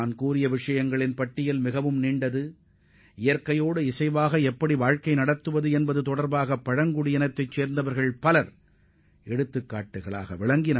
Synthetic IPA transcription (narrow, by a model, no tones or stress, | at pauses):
aːnkuːɾɪjɐʋɪʂɐjɐŋɡɐɭɪnpɐʈːɪjɪlmɪɣɐʋɯmniːɳɖɐðɯ | ɪjɐɾkɐjoːɽɯɪsɐɪʋaːɣɐɛpːɐɽiʋaːɻkɐɪnɐɽɐt̪ːɯʋɐðɯɛnbɐðɯt̪ɔɽɐɾbaːɣɐpːɐɻɐŋɡʊɽɪjɐnɐt̪ːɐɪt͡ʃːeːɾnd̪ɐʋɐɾɣɐɭpɐlɐɾ | ʔɛɽɯt̪ːɯkːaːʈːɯɣɐɭa̰ːɣɐ̰ʋɪɭɐŋɡɪnɐ